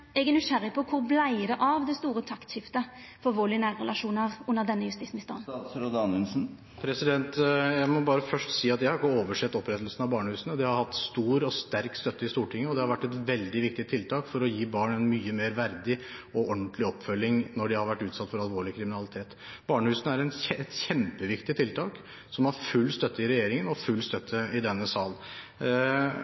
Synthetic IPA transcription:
ɛɡɛnːʏʂæɾɪəpʰɔkʰʊɾblæɪd̪ɛʔɑʋd̪ɛst̪uːɾət̪ʰɑkt̪ɕɪft̪ə | fɔɑlʋoːlɪnæːɾːɛlɑʂuːnɑʁʉnːəʁd̪ɛnːəjʉst̪iːsmɪst̪ɑ̰ʁnɾod̪ɑnɛlsn̩ | pʰɾɛsɪd̪ɛnt̪jæɪmɔbɑːɾəfœʂʈsiːɑt̪jæɪhɑɾɪkːəoːʋəʂɛt̪ːɔpɾɛt̪əlsnɑʋbɑːɳəhʉːsnəd̪ɛhɑɾhɑt̪ːst̪uːɾɔst̪æɾkst̪œt̪ːəɪst̪uːʈʰɪŋːəɔd̪ɛhɑɾʋæʈːɛt̪ʋɛld̪ɪʋɪk̚t̪ɪt̪ʰɪlt̪ʰɑːkfɔɾɔjiːbɑːɳɛnmyːəmeːɾʋæɾd̪ɪɔɔnt̪lɪɔpːfœlːɪŋnɔɖɛhɑɾʋæʈːʉːt̪sɑt̪ːfɔɾɑlʋoːɭɪkʰɾɪmɪnɑlɪt̪ʰeːt̪ | bɑːɳəhʉːsnəæɾɛnɛt̪çɛmpəʋɪkt̪ɪt̪ʰɪlt̪ʰɑːk | sɔmɑɾfʉlːst̪œt̪ːəɪɾɛjeːɾɪŋənɔfʉlːst̪œt̪ʰːəɪd̪ɛnːəsɑːl

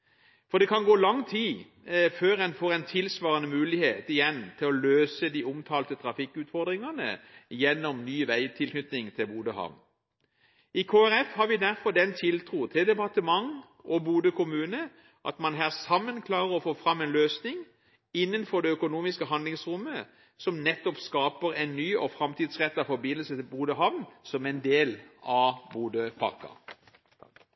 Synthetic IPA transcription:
fɔd̪ɛkʰɑnɡoːlɑŋt̪ʰiː | føːɾɛnfoːɾɛnt̪ʰɪlsʋɑːʁənəmʉːlɪheːt̪ɪjɛnt̪ʰɪlɔløːsəd̪iːʊmt̪ʰɑːlt̪ət̪ʰɾɑfɪkːʉːt̪fɔʁd̪ʁɪŋɑnə̰jɛnːɔmnyːʋæɪt̪ʰɪlkʰnʏt̪nɪŋt̪ʰɪlbuːd̪əhɑ̰ʋn | ɪkʰoːæʁɛfhɑʁʋɪd̪æʁfɔd̪ɛnt̪ʰɪlt̪ʰʁuːt̪ʰɪld̪ɛpɑʁt̪əmɑŋ | ʔɔbuːd̪əkʰʊmʉːnə | ʔɑ̰t̪mɑnɦæːʁsɑmːənkʰlɑːʁəʁɔfoːfʁɑmːɛeːnløːsnɪŋ | ɪnːənfɔd̪ɛœkʊnuːmɪskəɦɑnd̪lɪŋsʁʊmːə | sɔmnɛt̪ːɔpskɑːpəɾɛɪnnyːɔfɾɑmt̪iːd̪sʁɛt̪ːɑʋfɔbɪnːəlsət̪ɪlbuːd̪əɦɑʋnsɔmɛɪnd̪eːlɑbuːd̪əpʰɑ̰kɑ̰

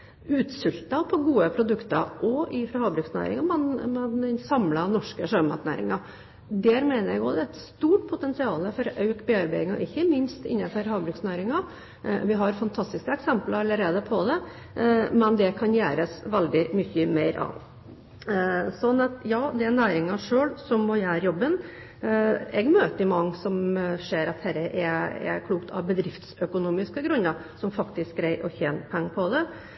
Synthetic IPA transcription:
ʉːt̪sʏlt̪ɑpʰɔɡuːəpʰɾʊd̪ʉkt̪ɑ̰ʔɔʔɪfɾɑhɑːbɾʉːksnæ̰ːɾɪ̰ŋɑmɛnmɛnd̪ɛnsɑmlɑnɔʂkəʂøːmɑ̰t̪næ̰ːɾɪ̰ŋɑ | d̪æːɾmeːnəɾjɛɡɔd̪ɛɛt̪st̪uːʈ̚pʰʊt̪ɛnsɪɑːləfɔɾɔʔɑʉkbeːɑɾbæɪɪŋɑ̰ʔɪçːəmɪnst̪ɪ̰nːɑfəɾhɑːbɾʉːksnæːɾɪŋɑ | ʋɪɦɑɾfɑnt̪ʰɑst̪ɪskəɛksɛmpləɾɑlːəɾeːd̪əpʰɔd̪ɛ | mɛnd̪ɛkʰɑnjæːɾəsʋɛld̪ɪmʏçːəmeɪɾɑ̰ | sɔnːɑt̪jɑːd̪ɛænæːɾɪŋɑʂøːɭsɔmːɔjæːɾjɔbən | ɛɡmøːt̪əɾɪmɑŋːsɔmʂeːɾɑt̪hɛɾəʔɛɛ̰kʰluːkt̪ʰɑ̰ʋbəd̪ɾɪft̪sœkʊnuːmɪskəɡɾʉnːəɾsɔmfɑkt̪ɪsk̚ɡɾæɪʔɔçeːnpʰɛŋːpʰɔd̪ɛ

